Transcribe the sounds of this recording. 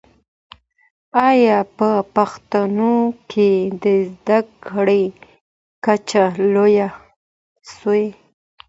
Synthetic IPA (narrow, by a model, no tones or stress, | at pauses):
ajɑpəpaxt̪anokʰed̪əzd̪akɽəj | kat͡ʃaloja | soe